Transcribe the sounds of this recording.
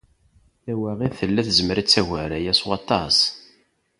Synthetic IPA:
θæwæʁiθəlːæθzəməɾæt͡sːæʝæɾæjæswɑt̪ˤɑs

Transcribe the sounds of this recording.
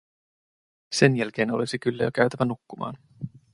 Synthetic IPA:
se̞njælk̟e̞ːno̞lisikylːæ̰jo̰k̟æɥt̪æʋænukːumɑ̰ːn

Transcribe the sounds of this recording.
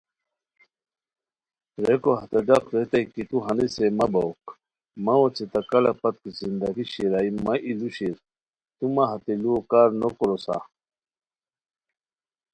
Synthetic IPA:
ɾekoɦɐt̪ɐɖɐqɾet̪ɐikit̪uɦɐnisemɐbɐwk | mɐwot͡set̪ɐkɐlɐpɐt̪̚kizind̪ɐɡiɕiɾaːimɐʔiluɕiɾ | t̪umɐɦɐt̪eluokaːɾnokoɾosa̰

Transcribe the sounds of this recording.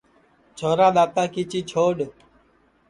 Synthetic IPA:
t͡ʃʰoːɾaːɗ̪aːt̪aːkiːt͡ʃiːt͡ʃʰoːɗ

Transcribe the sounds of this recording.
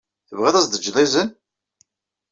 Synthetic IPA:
θəvʁɪðˤæsd̪əd͡ʒːðˤizən

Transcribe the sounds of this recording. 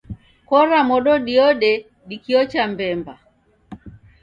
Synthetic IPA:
kɔɾamɔɗɔɗiɔɗɛ | ɗikiɔt͡ʃambɛmba

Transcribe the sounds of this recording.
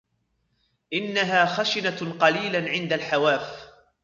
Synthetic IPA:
ʔɪnːaɦaːxaʃɪnaqɑliːlaʕɪnd̪alħawaːf

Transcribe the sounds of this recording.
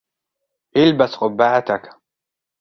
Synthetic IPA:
ʔɪlbasqʊbːaːʕat̪ak

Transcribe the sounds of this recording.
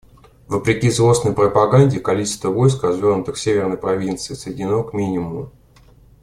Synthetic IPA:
vəpɾʲɪkʲizlˠo̞snəjpɾəpɐɡanʲdʲɪkɐlʲit͡ɕɪst̪vəvo̞jskrɐzvʲornʊt̪ɨxsʲevʲɪrnəjpɾɐvʲint̪sɨɪsəjɪdʲɪno̞kmʲinʲɪmʊʊ

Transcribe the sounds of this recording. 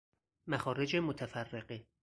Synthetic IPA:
mæxɒːɾed͡ʒemot̪ʰæfærːeɢe

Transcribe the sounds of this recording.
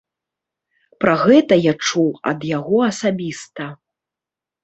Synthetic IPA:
pɾaɣɛt̪ɐjat͡ʂuwɐ̰d̪jaɣɔɐsabʲist̪ɐ

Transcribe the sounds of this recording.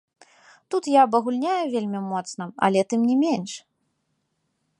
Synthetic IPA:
t̪ut̪jaːbɐɣulʲnʲajuvʲelʲmʲimɔt̪snɐɐ̰lʲɛt̪ɨmnʲimʲenʂ

